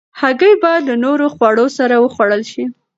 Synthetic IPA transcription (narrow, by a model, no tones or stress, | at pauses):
haɡəjbɑjad̪lənoɾoxwɑɽosaɾawəxwaɽəlʃi